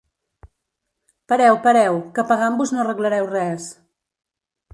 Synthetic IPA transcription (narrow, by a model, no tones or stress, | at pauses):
pəɾɛwpəɾɛwkəpəɣambuznorəɣləɾɛwrɛs